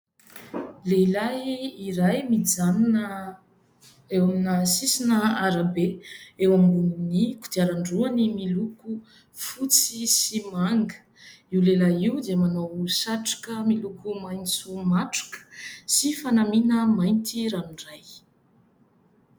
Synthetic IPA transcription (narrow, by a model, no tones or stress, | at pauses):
lelaiɾajmid͡zan | ewaminəsisinəaɾabeewambuniniku̥d̪̥iaɾaɳɖ͡ʐuanimiluku | fut͡sisimaŋɡə̥ | iwlelaiwd̪iəmanowsaʈ͡ʂḁkəmilukumajnsumaʈ͡ʂḁkə̥sifanaminəmajnt̪iɾamiɳɖ͡ʐaj